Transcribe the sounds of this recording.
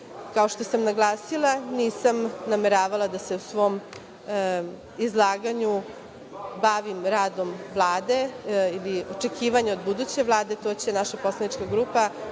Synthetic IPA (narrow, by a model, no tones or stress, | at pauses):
kao̞ʃt̪o̞samnaɡlˠaːsilˠaniːsamnameɾaːʋalˠad̪aseusʋo̞ːm | izlˠaːɡaɲu | baʋimɾaːd̪o̞mʋlˠaːd̪e̞ilio̞t͡ʂe̞kʰiːʋaɲeod̪bud̪ut͡ɕe̞ʋlˠaːd̪e̞t̪o̞t͡ɕenaʃapo̞slanit͡ʃkaɡɾuːpa